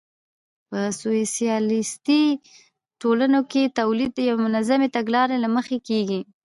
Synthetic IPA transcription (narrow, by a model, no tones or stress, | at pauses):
pəsoesjɑlɪst̪i | ʈolanoket̪awlid̪̚jawemʊnazamet̪aɡlɑɾelaməxekeɡi